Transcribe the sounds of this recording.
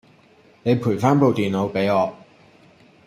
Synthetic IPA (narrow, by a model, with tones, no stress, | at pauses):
ne˨˧jpʰuː˨˩jfaː˥npo˨wt̪iː˨nlo˨˧wpe˨˥jɔː˨˧